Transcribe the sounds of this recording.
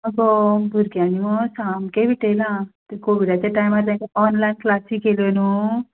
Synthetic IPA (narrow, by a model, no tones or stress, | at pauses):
əɡobʱuɾɡjanimɔsamkẽʋʱiʈelãt̪ekoʋiɽat͡ɕjaʈajmaɾt̪jãkeɔnlainklasikelonu